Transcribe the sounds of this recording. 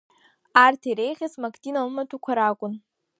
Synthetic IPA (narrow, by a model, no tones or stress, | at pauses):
artʰaijɾejχʲasmakʰʼtʰʼinalmatʰukʷʰaɾakʷʼʊn